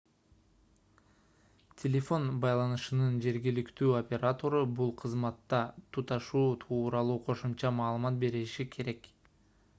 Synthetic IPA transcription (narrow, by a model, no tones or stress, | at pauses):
tʲʰelʲefo̞nbɑjlˠɑnɯʃɯnɯnd͡ʒe̞ɾɡilikt̪yːopʲe̞ɾat̪o̞ɾubulˠqʰɯzmɑt̪ːɑt̪ʰut̪ɑʃuːt̪ʰuːɾɑlˠuːqʰo̞ʃumt͡ʃɑmɑːlˠɯmɑt̪̚be̞ɾiʃikʰe̞ɾe̞k